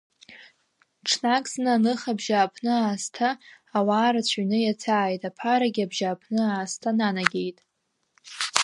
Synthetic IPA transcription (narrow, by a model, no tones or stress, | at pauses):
ʈ͡ʂʰnakʼsnɨanɨχabʒaːpʰnɨaːstʰaː | waːɾat͡ɕʷʰɥnɨjat͡sʰaːjtʼapʰaɾaɡʲabʒaːpʰnɨaːstʰananaɡʲe̞jtʼ